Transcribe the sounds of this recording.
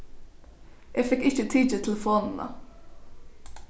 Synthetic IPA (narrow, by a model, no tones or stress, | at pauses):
jʔæːɡfɪkːɪçət̪ʰiːɪt̪ʰɛlfɔnənɑ̰